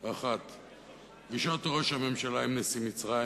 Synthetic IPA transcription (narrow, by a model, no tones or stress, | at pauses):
aχat̪ | viʃot̪ʁo̞ʃhame̞mʃalaimnesimit͡sʁa